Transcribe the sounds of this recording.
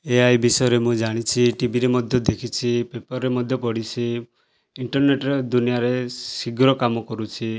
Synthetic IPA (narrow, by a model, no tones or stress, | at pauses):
eajbisɔjɔɾemũd͡ʒaɽ̃it͡ʃʰiʈibiɾemɔd̪ʱjɔd̪ekʰit͡ʃʰipepɔɾːemɔd̪ʱjɔpɔɽit͡ʃʰi | iɳʈɔɾneʈɔɾɔd̪unijaɾesiɡɾɔkamɔkɔɾut͡ʃʰi